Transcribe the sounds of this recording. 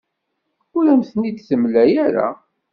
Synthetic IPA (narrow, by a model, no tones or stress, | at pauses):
ʊɾæmθənid̪θəmlæjæɾa̰